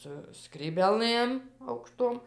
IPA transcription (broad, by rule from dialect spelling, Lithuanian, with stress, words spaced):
sʊ skrʲiːbʲeːˈlˠɘm ɐʊkˈʃtoːm